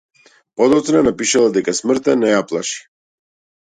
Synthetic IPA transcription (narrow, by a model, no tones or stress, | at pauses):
pɔd̪ɔt̪snanapiʃalˠad̪ɛkasmr̩t̪ɛnɛjaplˠaʃi̥